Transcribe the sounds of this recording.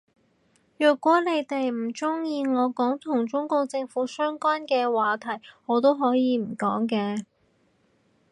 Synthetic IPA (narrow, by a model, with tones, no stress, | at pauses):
jœː˨˩t̚kʷɔː˨˥le˨˧jt̪e˨jm̩˨˩t͡sʊ˥ŋjiː˧ŋɔː˨˧kɔː˨˥ŋt̪ʰʊ˨˩ŋt͡sʊ˥ŋkʊ˧ŋt͡sɪ˧ŋfuː˨˥sœː˥ŋkʷaː˥nkɛː˧waː˨˧t̪ʰɐ˨˩jŋɔː˨˧t̪o˥wɦɔː˨˥jiː˨˧m̩˨˩kɔː˨˥ŋkɛː˧